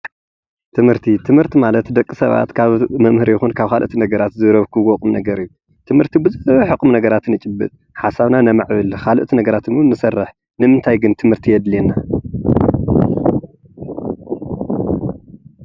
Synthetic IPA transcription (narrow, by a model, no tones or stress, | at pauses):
t̪ʰɨmhɨɾt̪ʰit̪ʰɨmhɨɾt̪ʰimalɐt̪d̪ɐkʼːisɐβa̰t̪kʰaβmɐmhɨɾjɪxunkʰaβkʰalʔʔt̪ʰinɐɡɐɾat̪zɨɾɐβkʰɨɡɔkʼumnɐɡɐɾijːu | t̪ʰɨmhɨɾt̪ʰibɨzuzɨβɐħɨkʼumnɐɡɐɾat̪ɨnɨt͡ʃʼɨbːɨ̰t̪ʼ | ħasaβnanamaʕβɨlkʰalʔt̪ʰinɐɡɐɾat̪ʰɨnunːɨsɐrːɨħ | nɨmɨnt̪ʰajɡɨnt̪ʰɨmhɨɾt̪ʰijɛd̪lena